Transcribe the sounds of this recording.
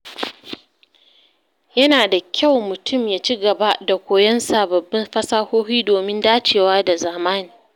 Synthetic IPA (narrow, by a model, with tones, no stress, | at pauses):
jɐ˦naː˨da˨kʲʰa˦˨wmʊ˨tʰʊ˦˨mjaː˦t͡ʃiː˦ɡɐ˨ba˦da˨kʷoː˨jɐ˦nsa˨bɐ˨bːɐ˦mɸɐ˦saː˦hoː˦ɸiː˦doː˨mɪ˦ndaː˦t͡ʃeː˨waː˦da˨zaː˨maː˦niː˨